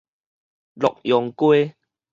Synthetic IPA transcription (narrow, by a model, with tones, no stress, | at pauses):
lɔ˨k̚jɔ˨˦ŋkwe˦